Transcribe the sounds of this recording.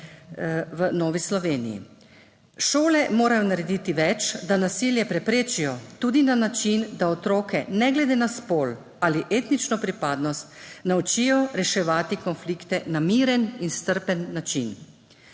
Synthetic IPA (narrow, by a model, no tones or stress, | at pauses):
ʋənɔːʋislɔʋeːnḭjḭ | ʃoːlɛmoːɾajɔnaɾɛd̪it̪iʋɛt͡ʃd̪anasiːljɛpɾɛpɾeːt͡ʃijɔt̪uːd̪inanat͡ʃind̪aɔt̪ɾoːkɛnɛɡlɛd̪eːnaspoːl | aliʔeːt̪nit͡ʃnɔpɾipaːd̪nɔst̪nawt͡ʃiːjɔɾɛʃɛʋaːt̪ikɔnfliːkt̪ɛnamiːɾɛninst̪əɾpɛnːat͡ʃin